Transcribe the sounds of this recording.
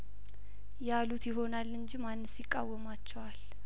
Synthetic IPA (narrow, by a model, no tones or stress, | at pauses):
jalut̪ʰjɪɦo̞nalːɨɲd͡ʒimanːɨsjɪkʼːa̰wːəmat͡ʃːɛwal